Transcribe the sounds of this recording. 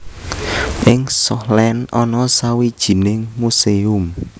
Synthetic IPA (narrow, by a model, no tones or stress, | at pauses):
ʔɪŋsɔhlɛnɔnɔsawid̥ʒ̥i̤nɪŋmuseʊm